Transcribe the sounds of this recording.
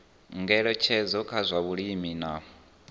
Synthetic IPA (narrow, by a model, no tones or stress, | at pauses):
ŋɡɛɺɔt͡ʃʰɛd͡zɔkʰazʷaβuɺimina